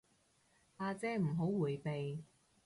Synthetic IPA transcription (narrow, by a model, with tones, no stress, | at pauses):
haː˧t͡sɛː˧˥m̩˨˩ɦo˨˥wwuː˨˩jpe˨j